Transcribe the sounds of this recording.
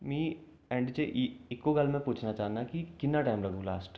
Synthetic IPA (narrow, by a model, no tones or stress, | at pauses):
mĩː | ɛ̃ɳɖt͡ʃeʔɪkːoɡəlmẽpuːt͡ʃʰnat͡ʃaːnakikɪnːaʈaːɪmɾɐɡũlaːsʈ